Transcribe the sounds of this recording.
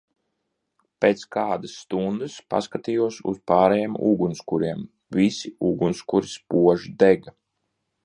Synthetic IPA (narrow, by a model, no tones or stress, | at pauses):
peːt̪skaːd̪asːt̪und̪ɨspa̰skat̪ijuɔsṵspaːɾɛjemṵɡunskuɾiɛm | vʲisiuɡunskuɾispuɔʒid̪eɡa